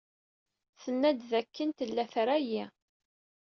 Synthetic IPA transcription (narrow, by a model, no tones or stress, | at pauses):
θənːæd̪ðækːənt̪əlːæθɾæji